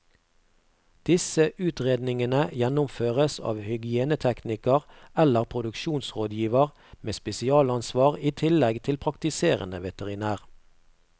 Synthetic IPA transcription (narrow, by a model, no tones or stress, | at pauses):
d̪̥ɪsəʔʉːt̪ʁeːd̪nɪŋənəjɛnʊmføːʁəsɑ̰ːʋhʏɡɪeːnət̪ʰɛknɪkəʁɛləʁpʰʁʊd̪ʉkʃuːnsʁoːd̪jiːʋəʁ | meːspɛsɪɑːlɑnsʋɑːʁiːt̪ʰɪlɛɡt̪ʰɪlpʰʁɑkt̪ɪseːʁə̰nə̰ʋɛt̪əʁɪnæːʁ